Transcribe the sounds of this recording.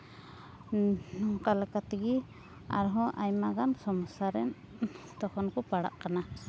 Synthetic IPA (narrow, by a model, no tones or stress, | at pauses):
kalɛkat̪iɡi | a̰ɾɦɔʔajmaɡansɔmsaɾɛn | t̪ɔkʰɔnkɔpaɽa̰ʔkana